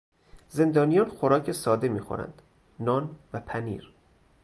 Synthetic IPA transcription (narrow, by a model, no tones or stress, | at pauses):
ze̞nd̪ɒːnijɒːnxoɾɒːcʰesɒːd̪e̞miːxo̰ɾæ̰nd̪̥ | nɒːnvæpʰænḭːɾ